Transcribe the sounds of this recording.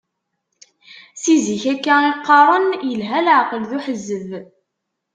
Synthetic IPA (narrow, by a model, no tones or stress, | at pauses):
siziçækːæiqːɑɾˤənjəlɦælʕqəlðuħəzːəv